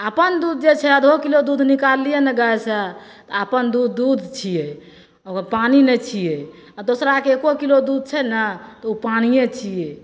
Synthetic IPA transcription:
əpənd̪ud̪̚ʱd͡ʒet͡ʃʰɛəd̪ʱokilod̪ud̪ʱnikalijenɛɡaɛsɛ | t̪ɔapənd̪ud̪ːud̪ʱt͡ʃʰije | okpaninɛt͡ʃʰije | ad̪osɾakeekokilod̪ud̪̚ʱt͡ʃʰɛnət̪ɔupanijet͡ʃʰiɛ

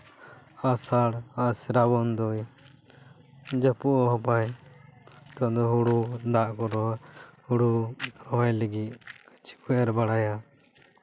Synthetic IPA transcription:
asaɽasɛɾabɔnd̪ɔj | d͡ʒəpuʔɔɦɔpaj | t̪ɔd̪ɔɦuɽud̪aʔkɔɾɔhuɽuɾɔɦɔjləɡit̪̚t͡ʃi̥kuɛɾbaɽaja

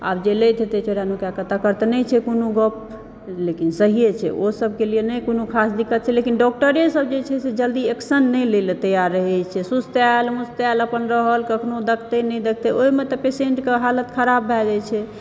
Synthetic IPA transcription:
a̰bd͡ʒeləjt̪et̪et͡ʃoɾjanokjakət̪akəɾt̪enɛt͡ʃʰɛkonoɡɔp̚ | lekinsəɦijet͡ʃʰɛ̰osəb̚ʱkelijenɛjkonokʰasd̪ikːət̪̚t͡ʃʰɛlekinɖɔk̚ʈəɾesəb̚d͡ʒet͡ʃʰɛsed͡ʒəld̪ieksənːɛjlelt̪əjaɾːəɦɛt͡ʃʰɛsust̪almust̪aləpənɾəɦəlkəkʰnod̪əkʰt̪enɛjd̪ek̚ʰt̪eoimet̪ɔpesẽɳʈkeɦalət̪kʰəɾabːʱɛd͡ʒɛt͡ʃʰɛ

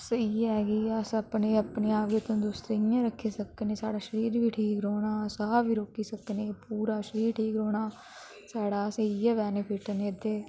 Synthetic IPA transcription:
səiɛːɡiːəsəpneːəpneaːʋɡet̪õːd̪uːsɾejãɾəkʰːesəkːneːsa̰ːɽaːʃəɾiːɾʋʱiːʈʰiːkɾoːnaːsabʱiːɾoːkiːsəkneːpuːɾaːʃəɾiːɾʈʰiːkɾoːɽaː | saːɽaːsəiːjɛʋɛːnepʰɪʈəneːd̪eː

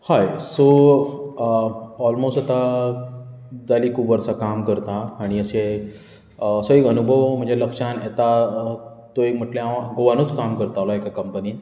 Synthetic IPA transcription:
hajso | ɔlmosʈat̪a | d͡zaliːkʰupʋəɾsakamkəɾt̪aːɽ̃iəse | əsəikənubʱəʋm̤əɳd͡zeləkʂanet̪a | t̪oim̤əʈljaʋãɡoʋanut͡skamkəɾt̪alaekakəmpəni

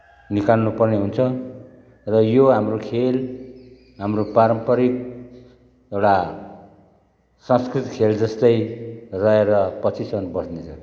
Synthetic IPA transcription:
nikalnupʌrneɦunt͡sʰʌ | rʌjoɦamrokʰel | ɦamropaɾʌmpʌɾik̚ | ewɽa | sʌ̃skrit̪ikʰeld͡zʌst̪ʌjrʌeɾʌpʌt͡sʰisʌnbʌsnet͡sʰʌ

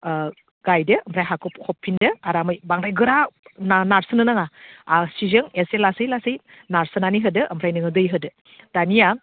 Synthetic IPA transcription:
ɡ̥ajdɯːmpʰɾajɦakʰɔpkʰɔpʰːindɯaɾamɯjbaŋɾajɡɯɾannaɾsɯnɯnaŋaasizɯŋeselasɯjlasɯj | naɾsɯnaniɦɯdɯʔɐmpʰɾajnɯŋɯdɯjɦɯdɯ | d̥anija

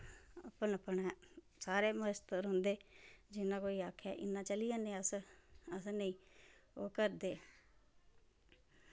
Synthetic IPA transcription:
əpənəpːənɛː | saːɾeːməəst̪əɾɦʊnd̪eːd͡ʒɪnːãːkoːiːaːkʰːaːʔɪnːãːt͡ʃəlijãːnẽːəsəsnəĩːoːkəɾd̪eː

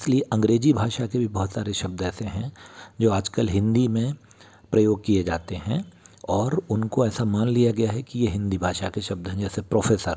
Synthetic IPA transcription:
ɪslieʔɐ̃ŋɡɾeːd͡ʒibʱaːʃakebʱibɔɦʊt̪saːɾeʃɐb̚d̪ɛːseɦɛ̃d͡ʒoːaːd͡ʒkəlɦɪ̃nd̪imẽ | pɾɐjoːɡ̚kied͡ʒaːt̪eɦɛ̃ɔːɾʊnkoɛːsamaːnlijaɡɐjaɦɛkijeɦɪ̃nd̪ibʱaːʃakeʃɐb̚d̪ɦɛ̃d͡ʒɛːsepɾoːfeːsəɾ

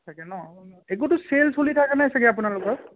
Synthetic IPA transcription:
tʰakɛnɔnɔek̬utʊselsolitʰakanasakɛap̬unalʊkɔk̚

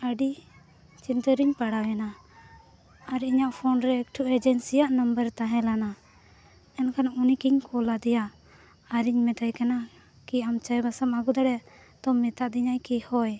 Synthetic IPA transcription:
əɖi | t͡ʃint̪əɾiɲpaɽawɛna | ɾiɲaʔpʰɔnɾɛːkʈʰuʔɛd͡ʒɛnsijaʔnəmbəɾt̪aɦɛ̃lana | ɛnkʰanunikiɲkʰɔlad̪ɛjaː | ɾiɲmɛt̪ajkana | kiamt͡ʃajbasamaɡud̪aɽɛ | t̪ɔmɛt̪aʔd̪iɲaʔjkihɔj

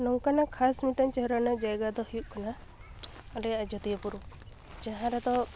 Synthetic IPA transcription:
nɔwkanakʰasmiʈɔnt͡ʃɔɦɾanɔd͡ʒajɡad̪ɔhijuʔ̚kʰana | ɔlɛad͡ʒɔt̪ijəpuɾu | d͡ʒaɦãɾɛd̪ɔ

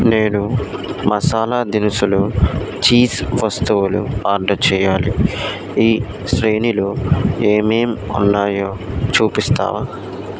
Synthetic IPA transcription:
neːnumɐsaːlaːd̪inisulut͡ʃiːsʋɐst̪uwulṵaːɾɖɐt͡ʃɛːjaːli | iː | sɾeːnilueːmeːmṵnːaːjoːt͡ʃuːpist̪a̰ːʋa

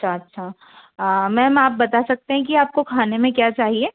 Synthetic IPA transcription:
ɐʃʰaɐtːʃʰa | mɛ̃ːɦɐmaːp̚bɐt̪asɐk̚t̪eɦɛ̃k̬iaːp̚kokʰaːnemẽkjaːt͡ʃaːɦieː

